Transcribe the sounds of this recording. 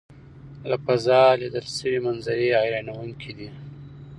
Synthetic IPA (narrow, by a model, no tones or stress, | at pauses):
lapazɑlid̪əlsəwimanzaɾeɑjɾɑnawuŋkʰid̪i